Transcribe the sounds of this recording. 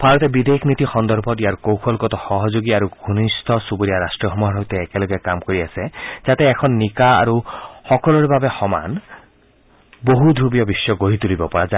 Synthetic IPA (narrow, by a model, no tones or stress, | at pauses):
bʱaɾɔt̪ebid̪ekʰnit̪ixɔnd̪ɔɾbʱɔt̪iaɾkowkʰɔlkɔt̪ɔxɔɦɔd͡ʒoɡiaɾuɡʱunist̪ʰɔsubɔɾijaɾasʈɾɔɦɔmuɦaɾowt̪eːkelɔɡekamkɔɾiased͡ʒat̪eːkʰɔnːikaa̰ɾuhɔkɔlɔɾebʱabexɔma̰n | boɦud̪ʱɾubiɔbisjɔɡoɦit̪ulibɔpɔɾad͡ʒa